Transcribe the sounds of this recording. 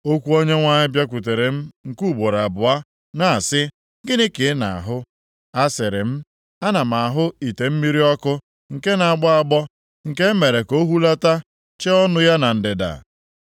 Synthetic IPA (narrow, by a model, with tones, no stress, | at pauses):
o˦kʷu˦o˦ɲe˦ŋʷa˦ɲɪ˦bja˦k̬ʷu˨t̬e˨ɾe˨m̩˦ŋ̩˨ku˦˨bo˨ɾa˨bʊ˨a˦ | na˨a˨sɪ˦ | ɡɪ˦nɪ˦ke˨˦na̰˨a˨ɦʊ˦ | a˦sɪ˨ɾɪ˨m̩˦ | a˦na˨ma˨a˨ɦʊ˦i˨te˨m̩˦mi˦ɾi˦ɔ˦kʊ˦ | ŋ̩˨ke˦na˨ɡ͡bɔ˦a˨ɡ͡bɔ˦ | ŋ̩˨ke˦me˨ɾe˨ko˦ɦu˦la˦ta˦ | t͡ʃe˦ɔ˦nʊ˦ja˦na˨n̩˨dɪ˨da̰˨